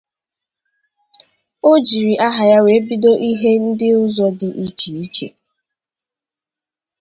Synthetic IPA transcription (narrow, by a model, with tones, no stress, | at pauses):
o˦d͡ʒi˨ɾi˨ʔa˦ɦa˨ja˦we˨˦bi˦do˦ʔi˦ɦe˦n̩˦dɪ˦ʊ˦zɔ˦dɪ˨ʔi˦t͡ʃi˨i˦t͡ʃḛ˨